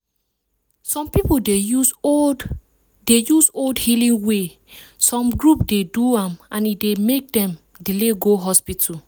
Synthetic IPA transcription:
sɔ̃mpipodeu | dejusoldhilĩŋwe | sɔ̃mɡɹupdeduãmãnidemek̚dɛ̃m | dileɡoɦɔspitʰu

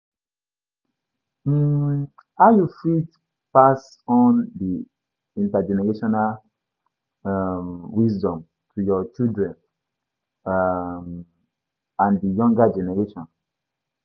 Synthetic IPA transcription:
m̩ | hajufit | pas | ɔ̃ndi | ĩntad͡ʒɛnɛɹeʃɔnal | mwisdɔ̃m | tʰujɔt͡ʃildɹɛ̃n | m | ãndijɔ̃ŋɡad͡ʒɛnɛɹeʃɔ̃n

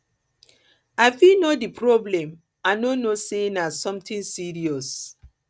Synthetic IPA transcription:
aɪfinodipʰɹɔblɛ̃m | anonosenasɔ̃mtʰĩnsiɹiɔs

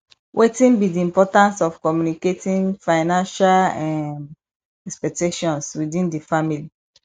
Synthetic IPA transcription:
wʔetĩnbidiĩmpɔtãnsɔfkɔmjuniketĩnfaɪnãnʃalɛm | ɛkspɛk̚teʃɔ̃nswidĩndifamili

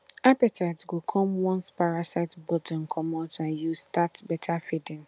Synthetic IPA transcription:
apatʰaɪtɡokʰɔ̃mwɔ̃nspaɹasaɪtbɔtʰɔ̃nkʰɔmɔtãnjustatbɛtʰafidɪ̃ŋ

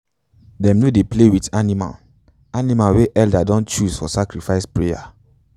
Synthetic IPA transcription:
dɛ̃mnodeplewitanima̰l | animalweʔɛldadɔ̃nt͡ʃuzfɔsakɾifaɪspɹeja̰

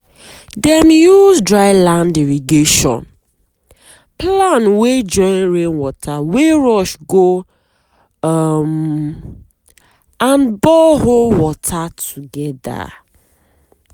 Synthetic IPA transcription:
dɛmjuzdɹaɪlãndiɹiɡeʃɔ̰̃n | planwed͡ʒɔ̃ɪnɹẽnwɔtʰaweɹɔʃɡo | m | ãnbɔɦolwɔtʰatʰuɡɛda̰

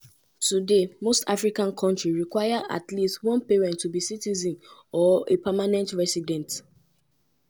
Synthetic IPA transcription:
tudemostafɹikãnkʰɔ̃ntɹiɹikwaɪaʔa̰tlistwɔ̃npeɹɛ̃ntːubisitizĩnɔepamanɛ̃ntɹɛsidɛ̃nt

